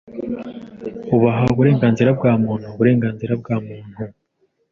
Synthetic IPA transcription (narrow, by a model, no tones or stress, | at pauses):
uβaɦauβuɾe̞ːŋɡaːnziɾabɡaːmuːn̥huβuɾe̞ːŋɡaːnziɾab̚ɡaːmuːn̥hu